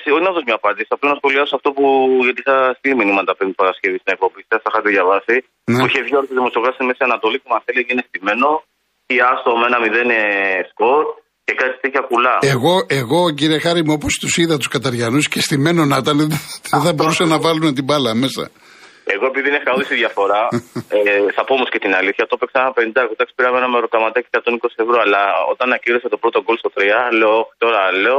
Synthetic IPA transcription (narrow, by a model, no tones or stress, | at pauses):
sioinɐðozmɲɐːpɐnd̪isiɐplɐnɐsxo̞liɐsoɐft̪o̞puʝɐt̪iixɐst̪iliminimɐt̪ɐpend̪ipɐɾɐscevist̪inekpopisɐsɐxɐt̪iʝɐvɐsi | neuiçevʝoɾot̪oðimosokɐsinmesiɐnɐt̪o̞litemɐseliceinest̪ime̞no̞ | iɐst̪omenɐmiðenesko̞ɾ | ce̞kɐi̥t̪itçɐkulɐeɣo̞e̞ɣo̞ciɾie̞xɐɾimuo̞po̞st̪usiðɐt̪u̥skɐt̪ɐɾʝɐnuscest̪ime̞no̞nɐt̪ɐnðeθɐbo̞ɾusɐnɐvɐlume̞t̪̬ibɐlɐme̞sɐ̰ | e̞ɣoepiðinefɐoðisiðʝɐfo̞ɾɐeθɐpoomoscet̪inɐliθçɐt̪o̞peksɐnɐpenind̪ɐkot̪ɐksi̥piɾɐmenɐmeɾok̪ɐmɐt̪ɐciekɐt̪o̞nikosi̥evɾoɐlɐo̰t̪ɐnɐciɾoset̪o̞pɾot̪o̞ɡo̞lst̪o̞t̪ɾiɐleooçi̥t̪o̞ɾɐleo